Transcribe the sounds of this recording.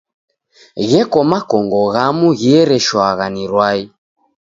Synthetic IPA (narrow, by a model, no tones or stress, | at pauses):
ɣɛkɔmakɔŋɡɔɣamuɣiɛɾɛʃwaɣaniɾwai